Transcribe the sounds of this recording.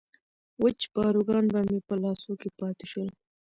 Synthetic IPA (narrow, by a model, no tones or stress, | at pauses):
wət͡ʃb̥ɑɾuɡɑnbamepəlɑsokepɑt̪eʃəl